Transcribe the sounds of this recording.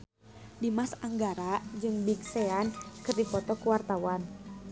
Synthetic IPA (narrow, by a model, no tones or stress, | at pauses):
dimasaŋɡaɾad͡ʒɨŋbik̚sɛankɨrdipɔt̪ɔkuwart̪awan